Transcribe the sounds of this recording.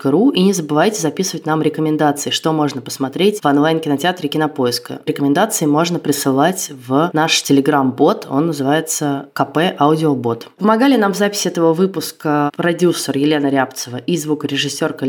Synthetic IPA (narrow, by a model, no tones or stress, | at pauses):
kəɾuinʲɪzəbɨvajtʲɪzɐpʲisɨvətʲnamɾʲɪkəmʲɪnd̪at̪sɨɪʂt̪o̞mo̞ʐnəpə̥smɐt̪ɾʲetʲvɐnlˠajnkʲɪnɐtʲɪat̪ɾʲɪkʲɪnɐpo̞ɪskə̰ɾʲɪkəmʲɪnd̪at̪sɨɪmo̞ʐnəpɾʲɪsɨlˠatʲvnaʂtʲɪlʲɪɡɾambo̞t̪ʰo̞̰nːəzɨvajɪt̪səkɐpɛʔaʊdʲɪobo̞t̪pəmɐɡalʲɪnamvzapʲɪ̥sʲɪɛt̪əvəvɨpʊskəpɾɐdʲusːərjɪlʲe̞nəɾʲapt̪səvəʔizvukɾʲɪʐɨsʲːo̞rkə